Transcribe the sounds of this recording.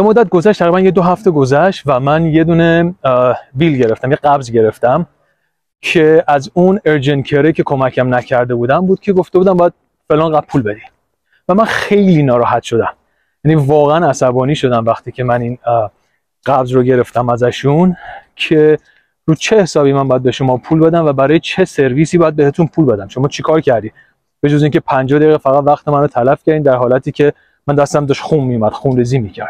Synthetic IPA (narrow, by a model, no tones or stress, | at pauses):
bemod̪æt̪̚ɡo̞zæʃt̪ʰæʁɾibænjed̪oɦæft̪e̞ɡo̞zæʃt̪væmænje̞d̪uːne̞ | bilɟeɾe̞ft̪æmjeɡæbzɟe̞ɾe̞ft̪æm | kʰe̞æzuneɾd͡ʒenkʰeɾecʰe̞kʰo̞mæcʰæmnækʰːæɾd̪e̞buːd̪æmbuːd̪̥̚cʰeɡo̞ft̪e̞bud̪æmbɒːjæd̪̚ | fe̞lɒːnɢæpʰuːlbe̞d̪i | væmænxejliːnɒːɾɒːɦæt̪ʃod̪æm | jænivɒːɣeænæsæbɒːniːʃo̞d̪æmvæxt̪ʰiːcʰe̞mænin | ɢæbzɾoɟe̞ɾe̞ft̪æmæzæʃuncʰe | ruːt͡ʃʰeehsɒːbiːmænmbɒːjæd̪be̞ʃo̞mɒːpʰuːlbe̞d̪æmvæbæɾɒːjet͡ʃʰe̞se̞ɾvisiːbɒːjæd̪̚be̞het̪ʰunpʰulbe̞d̪æmʃo̞mɒːt͡ʃʰekʰɒːɾcʰæɾd̪iːd̪ | b̥e̞d͡ʒoziːŋcʲʰe̞pʰænd͡ʒɒːd̪ejiɣefæɣæt̪væxt̪emænot̪ʰælæfcʰæɾd̪iːmd̪æɾɦɒːlæt̪ʰiːcʰe̞ | mænd̪æst̪æmd̪ɒːʃxunmijumæd̪̥xunɾiːziːmicʰæɾd̪̥̚